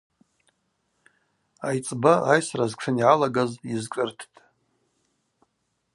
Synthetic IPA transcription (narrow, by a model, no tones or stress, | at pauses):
ajt͡sʼbaajsrazkʂʰɨniʕalaɡazizkʼɨrtʰtʼ